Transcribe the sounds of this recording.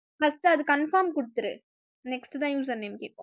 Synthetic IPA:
fɐsʈɯɐðɯkɐnfaːɾmkʊɽɯt̪ːɯɾɯ̰ | nɛksʈt̪ãːjuːsɐnːemke

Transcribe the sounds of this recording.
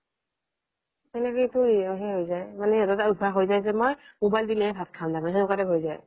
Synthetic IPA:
ɛnɛkojtuɹiɔɦɛɦojzajmanɛɛtɔtaud̚bʱaɦojzajzɛmojmobajldinɛɹɛbʱat̚kʰãndapanxɛnɔkatɛɦojzaj

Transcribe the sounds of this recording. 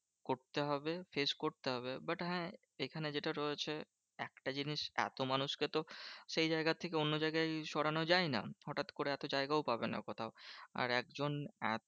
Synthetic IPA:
koɾt̪eɦɔbefeskoɾt̪eɦɔbebaʈɦɛ̃ | ekʰaned͡ʑeʈaɾɔet͡ɕʰe | ɛk̚ʈad͡ʑiniʃɛ̰t̪omanuʃket̪oʃejd͡ʑaeɡat̪ʰekeonːod͡ʑajɡajʃɔɽanod͡ʑajna̰hɔʈat̪koɾeɛt̪od͡ʑaeɡaopabena̰kot̪ʰaoa̰ɾɛk̚d͡ʑonɛ

